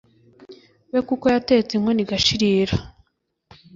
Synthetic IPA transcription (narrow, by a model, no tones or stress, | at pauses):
wekuko̞jate̞t͡seŋho̞niɡaʃiɾiːɾa